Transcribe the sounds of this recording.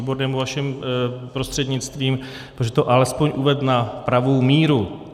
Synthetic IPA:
ibo̞ɾnɛːmuvaʃɛmpɾo̞st̪r̥ɛd̪ɲɪt͡st̪viːm | pɾoʒɛt̪oʔalɛspo̞ɲʔuvɛdnapɾavo̞wmiːɾu

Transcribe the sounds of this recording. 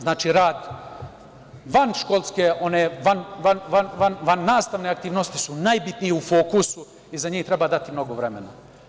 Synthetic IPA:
znaːt͡ʃiɾaːd̪ | ʋanʃkolˠskeʔoneːʋanʋanʋanʋanʋanːaːst̪aʋneakt̪iːʋnost̪i̥sunajbit̪nijeufoːkusu | izaɲiːht̪ɾe̞baːd̪at̪imno̞ɡo̞ʋɾe̞me̞na̰

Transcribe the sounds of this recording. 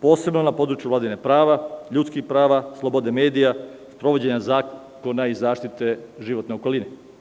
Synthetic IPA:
po̞ːse̞bno̞napo̞d̪ɾut͡ʃjuvlaːd̪inepɾaːʋaʎuːt̪skixpɾaːʋaslˠo̞bo̞d̪eme̞ːd̪ijaspɾo̞ʋo̞d͡ʑeɲazaː | ko̞naizaːʃt̪it̪e̞ʒiʋo̞t̪ne̞oko̞line

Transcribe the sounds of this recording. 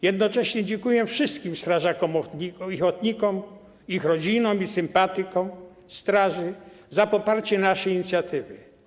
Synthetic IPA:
jɛd̪nɔt͡ʂɛɕɲɛd͡ʑɛŋkujɛfʂɘst̪kʲimst̪ɾaʐakɔmiixɔt̪ɲikɔm | ixɾɔd͡ʑinɔ̃misɘmpat̪ɘkɔ̃m | st̪ɾaʐɘ | zapɔpaɾt͡ɕɛnaʂɛjiɲit̪sʲjat̪ɘvɪ̰

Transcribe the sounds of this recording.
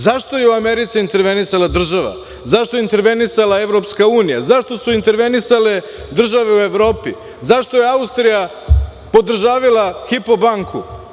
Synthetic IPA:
zaʃt̪o̞jeuameɾit̪siint̪e̞ɾʋe̞nisalad̪r̩ʒaʋa̰ | zaʃt̪o̞jint̪e̞ɾʋe̞nisalae̞ʋɾo̞pskauːnija̰zaʃt̪o̞suint̪e̞ɾʋe̞nisale̞ | d̪r̩ʒaʋe̞ue̞ʋɾo̞ːpi | zaʃt̪o̞je̞aust̪ɾija | po̞d̪r̩ʒaːʋilˠaxipo̞baŋkʰu

